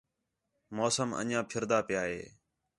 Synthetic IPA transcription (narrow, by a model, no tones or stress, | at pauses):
moːsəmə̰nãːpʰɪɾd̪aːpɪjaːɦḛː